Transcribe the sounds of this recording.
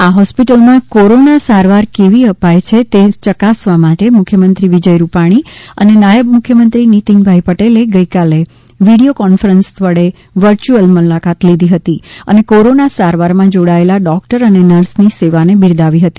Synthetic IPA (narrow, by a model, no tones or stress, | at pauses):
aɦɔspiʈəlmãkoɾonasaɾʋaɾkeʋiəpajt͡ʃʰet̪et͡ʃəkasʋamaʈemʊkʰjəmənt̪ɾiʋid͡ʒəjɾupaɽ̃iə̰nenajəbmʊkʰjəmənt̪ɾinit̪iŋbʱaipəʈeleɡəikale | ʋiɽiokɔnfəɾənst̪ʰʋəɽe | ʋəɾt͡ʃuəlmulakat̪lid̪ʱiɦət̪iə̰nekoɾonasaɾʋaɾmãd͡ʒoɽaelaɖɔk̚ʈəɾənenəɾsniseʋanebiɾd̪aʋiɦət̪i̥